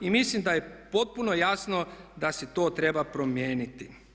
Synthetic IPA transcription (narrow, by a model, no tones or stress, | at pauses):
imislimd̪ajepo̞t̪̚punojasno̞d̪aset̪o̞ːt̪ɾe̞bapɾomjeːnit̪i